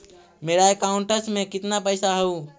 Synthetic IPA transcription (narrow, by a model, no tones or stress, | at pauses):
meːɾaekaːʊɳʈəsmẽkɪt̪napəjsaɦəuː